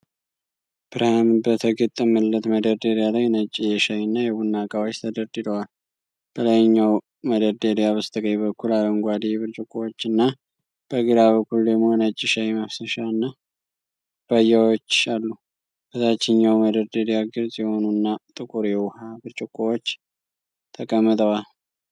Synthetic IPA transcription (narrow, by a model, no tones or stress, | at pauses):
b̥ɨɾhamɨbət̪ʰəɡɨt̪ʼːəməlːət̪məd̪əɾd̪eɾjalawjnət͡ʃʼːijɛʃajnːajɛwunːakʼawot͡ʃːt̪ʰəd̪əɾd̪ɨd̪əwal | b̥ələjɲːaw | məd̪əɾd̪elijaβəst̪ʰəkʼəjβəkːulaləŋɡʷad̪ijɛβɨɾt͡ʃʼɪkʼːowot͡ʃːɨnːa | b̥əɡɨɾaβəkːuld̪əɡmo̞jnət͡ʃʼːɪʃajməfsəʃaɨnːa | b̥ajːawot͡ʃːalːu | b̥ət̪ʰat͡ʃːɪɲːawməd̪əɾd̪elijaɡɨɾzʼjɛho̞nunːat̪ʼɨkʼuɾjɛwhabɨɾt͡ʃʼɪkʼːuwot͡ʃː | t̪ʰəkʼəmːɨt̪ʼəwal